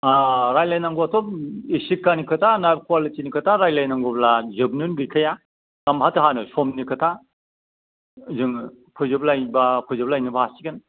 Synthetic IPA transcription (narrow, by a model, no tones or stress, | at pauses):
aɾajlajnaŋɡɔatʰɔp̚esikːanikʰɯtʰanabkwalitinikʰɯtʰaɾajlajnaŋɡɔblazɯbnɯnɡɯjkʰaja | ɡamɦatɯɦanɯsɔmnikʰɯtʰa | zɯŋ | pʰɯjzɯp̚lajbapʰɯjzɯp̚lajnɯbaasiɡɯn